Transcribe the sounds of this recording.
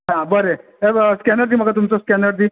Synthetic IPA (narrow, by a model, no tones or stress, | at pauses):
ɦãbəɾe | eskɛnəɾd̪im̤əɡat̪umsoskɛnəɽd̪i